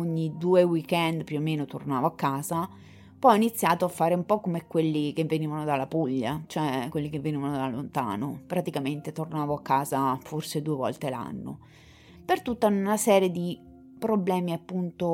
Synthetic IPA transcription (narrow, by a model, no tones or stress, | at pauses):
oɲːid̪uːewikɛnd̪pjuomːeːnot̪ornaːvoakːaːza | pɔjɔinit̪sːjaːt̪oafːaːɾeumpɔkːomekːwelːik̟evːeniːvanod̪alːapuʎːat͡ʃoɛkwelːik̟evːeniːvanod̪alːont̪a̰ːnopɾat̪ikament̪et̪ornaːvoakːaːzaforsed̪uːevɔ̰lt̪ela̰nːo̰ | pert̪ut̪ːanasɛːɾjed̪i | pɾoblɛːmiapːunt̪o